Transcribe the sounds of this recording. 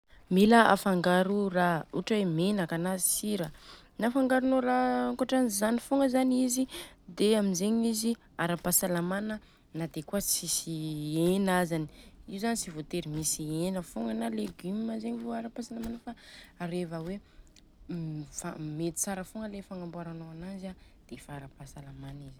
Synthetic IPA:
miləa̰faŋɡaɾurauʈ͡ʂawemenakanazisiɾə | nafaŋɡaɾunoɾaŋkaʈ͡ʂanizanifoŋɡəzanizid̪eamizeɲizi | aɾapasalamanə | nad̪ekuət͡sisienazani̥iuzanit͡sivot̪eɾimisienəfoŋɡənaleɡymazeɲivoaɾapasalamanəfaɾevəwe | fa̰met̪i̥t͡saɾəfoŋɡəlefaŋambaɾanoanaza | d̪̥efaaɾapasalamanizi

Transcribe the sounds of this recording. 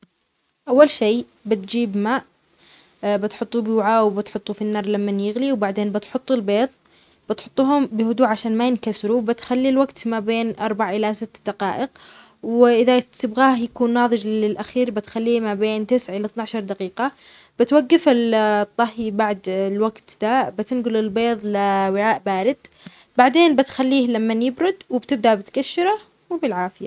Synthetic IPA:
ʔawːalʃeː | bɪt̪̚d͡ʒiːbmaːʔ | bɪt̪ħʊt̪ˤːubwʕawbɪt̪ħʊt̪ˤːufinːɑːɾˤlamːanjɪɣliwbaʕd̪eːnbɪt̪ħʊt̪ˤːɪlbeːðˤ | b̥ɪt̪ħʊt̪ˤːuːhʊmbɪhʊd̪uːʕaʃaːnmajɪnkasɾubɪt̪xalːilwaɡt̪mabeːnʔɑɾˤbaʕʔɪlasɪt̪ːd̪aqɑːʔɪq | wɪʔɪðat̪ɪbɣaːhjakuːnːɑːðˤɨd͡ʒɪlʔaxiːɾbɪt̪xalːiːmabeːnt̪ɪsʕʔɪlat̪naʕaʃɑɾˤd̪aqiːqa | b̥ɪt̪waɡːɪfɪlt̪ˤːɑhibaʕd̪lwaɡt̪d̪abɪt̪ɪnɡʊlɪlbeːðˤlɪwɪʕaːʔbaːɾɪd̪̥ | baʕd̪eːnbɪt̪xalːiːhlamːanjɪbɾʊd̪wɪbt̪ɪb̚d̪abɪt̪kaʃːɪɾˤa | wɪbɪlʕaːfɪja

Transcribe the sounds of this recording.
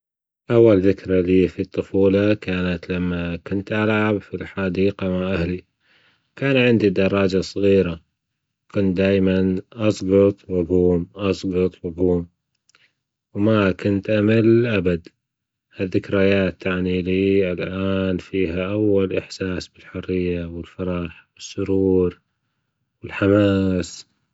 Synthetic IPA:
ʔawːalðɪkɾaliːfit̪ˤːɨfuːlɑkaːnat̪lamːakʊnt̪ʔalʕabfilħaːd̪iːqamaʔahli | kaːnʕɪnd̪id̪ɑɾˤːɑːd͡ʒasˤɣiːɾa | wkʊnt̪̚d̪aːjmanʔɑsˤɣɑt̪ˤwaɡuːmʔɑsˤɡɑt̪ˤwaɡuːm | wmakʊnt̪ʔamalʔabad̪ | haðːɪkɾajaːt̪ːaʕniliːɪlʔaːnfiːɦaʔawːalʔɪħsaːsbɪlħʊrːɪjːawɪlfɑɾˤɑħwɪsːʊɾuːɾ | wɪlħamaːs

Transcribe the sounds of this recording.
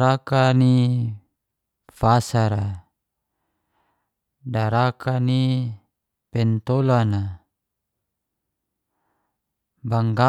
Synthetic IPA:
ɾakani | fasaɾa | daɾakʰani | pɛnt̪olana | baŋɡa

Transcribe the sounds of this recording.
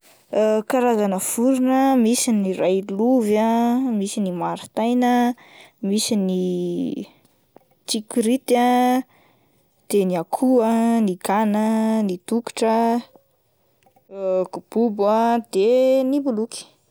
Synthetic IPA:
kaɾazanəfuɾunəmisiniɾajluvamisinimaɾit̪ajnə | misini | t͡ʃikuɾit̪a | d̪̥eniakʰuaniɡanənit̪uki̥ʈ͡ʂə | ɡ̥ub̥ubad̪̥enibuluki̥

